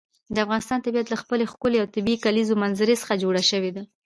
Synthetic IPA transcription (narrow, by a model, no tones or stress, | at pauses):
d̪əafɣɑnɪst̪ɑnt̪abijat̪laxpəlexkʊleawt̪ɪbikalizomanzaɾesə̥xad͡ʒoɽaʃəwed̪a